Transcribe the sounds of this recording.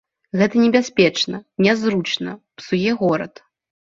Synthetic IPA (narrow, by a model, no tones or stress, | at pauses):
ɣɛt̪ɐnʲɛbʲasʲpʲɛt͡ʂnɐnʲɛzɾut͡ʂnɐpsujɛɣɔɾɐ̰t̪